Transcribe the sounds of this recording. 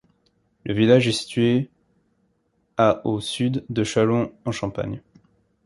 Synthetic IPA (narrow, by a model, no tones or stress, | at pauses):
lʔəvilaʒɛsi̥t̪ɥe | aʔosyd̪ːəʃalɔ̃ɑ̃ʃɑ̃pa̰ɲ